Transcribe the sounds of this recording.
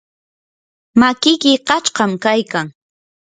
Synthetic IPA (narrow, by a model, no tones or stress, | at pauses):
makɪkɪqɑt͡ʃqɑmkajkaŋ